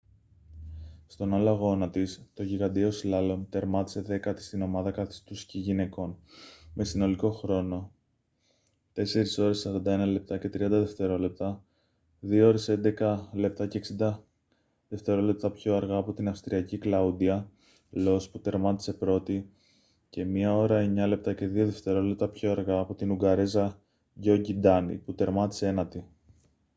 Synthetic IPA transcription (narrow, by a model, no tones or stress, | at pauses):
st̪o̞nɐlɐɣo̞nɐt̪ist̪o̞ʝiɣɐnd̪io̞slɐlo̞nt̪e̞ɾmɐt̪i̥se̞ðe̞kɐt̪i̥st̪ino̞mɐðɐkɐθi̥st̪usciʝine̞ko̞nme̞sino̞liko̞xɾo̞no̞ | t̪e̞se̞ɾiso̞ɾe̞ssɐɾɐnd̪ɐe̞nɐle̞p̚t̪ɐce̞t̪ɾiɐnd̪ɐðe̞ft̪e̞ɾo̞le̞p̚t̪ɐ | ðioo̞ɾe̞se̞nd̪e̞kɐle̞p̚t̪ɐce̞ːksind̪ɐ | ðe̞ft̪e̞ɾo̞le̞p̚t̪ɐpço̞ɐɾɣɐːpo̞t̪inɐfst̪ɾiɐciklɐud̪iɐ | lo̞sput̪e̞ɾmɐt̪i̥se̞pɾo̞t̪i | ce̞miɐo̞ɾɐeɲɐle̞p̚t̪ɐce̞ðio̞ðe̞ft̪e̞ɾo̞le̞p̚t̪ɐpço̞ɐɾɣɐːpo̞t̪inuɡɐɾezɐ | ʝo̞ɟid̪ɐnḭput̪e̞ɾmɐt̪i̥seenɐt̪i